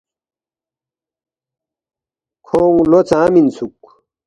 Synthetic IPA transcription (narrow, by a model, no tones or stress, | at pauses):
kʰoːŋlot͡sãːminsuk